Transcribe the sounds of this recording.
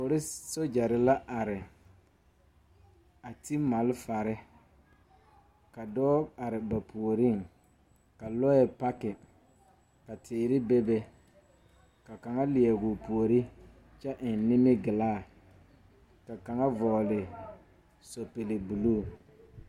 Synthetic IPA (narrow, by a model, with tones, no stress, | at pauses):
fʊ˨ɾɪ˦so˦d͡ʒa˨ɾɪ˦la˦ʔa˨ɾɪ˨ | a˨ti˦ma˨lfa˨ɾɪ˦ | ka˨dɔː˦a˨ɾɪ˨ba˨pʰu˨o˨ɾɪ˦˨ŋ | ka˨lɔ˦ɛ˨pa˦kɪ˨ | ka˨tʰɪː˨ɾɪ˦bɛ˦bɛ˦ | ka˨ka˨ŋa˦lɪ˨ɛ˨ɡʊ˨pu˨o˨ɾi˦ | t͡ʃɛ˦ʔɪ˨n˨nɪ˦mɪ˦ɡɪ˨laː˦˨ | ka˨ka˨ŋa˦vɔː˨lɪ˨ | so˨pe˨le˨bu˨luː˦˨